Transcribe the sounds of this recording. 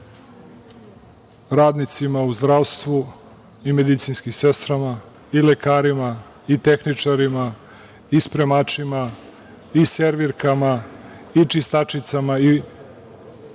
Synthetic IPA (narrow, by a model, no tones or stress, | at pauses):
ɾaːd̪nit̪simauzd̪ɾaʋst̪ʋu | imed̪it̪sinskimsest̪ɾama | ilekaːɾima | it̪e̞xnit͡ʂaɾima | ispɾemat͡ʂima | iseɾʋiɾkama | it͡ʃist̪at͡ʂit̪samai